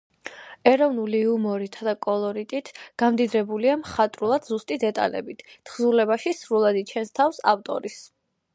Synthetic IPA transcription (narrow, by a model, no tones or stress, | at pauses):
ɛɾɔvnuliumɔɾit̪ʰad̪akʼɔlˠɔɾit̪ʼit̪ʰɡ̥amd̪id̪ɾɛbuliamχat̪ʼɾulˠad̪zust̪ʼid̪ɛt̪ʼa̰lɛ̰bit̪ʰt̪ʰχzulɛbaʃisɾulˠad̪it͡ʃʰɛnst̪ʰafsa̰ft̪ʼɔ̰ɾis